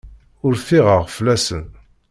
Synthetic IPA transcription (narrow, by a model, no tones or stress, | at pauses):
ʊɾθiʁəʁflæsə̰n